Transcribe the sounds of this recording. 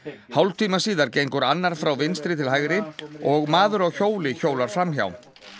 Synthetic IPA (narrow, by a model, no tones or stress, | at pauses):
hawlt̪ʰiːmasiːðaɾcejŋkʏɾanːaɾ̥fɾawvɪnst̪ɾɪt̪ʰɪlɦajɣɾɪɔɣmaːðʏɾaɣçoːwlɪçoːwlaɾ̥fɾamçja̰wn